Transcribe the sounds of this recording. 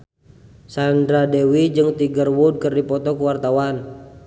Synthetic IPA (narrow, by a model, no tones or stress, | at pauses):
sandɾadewid͡ʒɨŋt̪iɡərwud̚kərdipɔt̪ɔkuwart̪awan